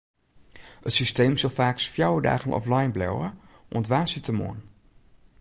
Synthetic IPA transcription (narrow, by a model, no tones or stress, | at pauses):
ətsistejmzɑlˠfaːksfjawəda̰ːχənɔ̰flɑjnblɛ̰wəʔɔntʋaːsitəmo̰ːn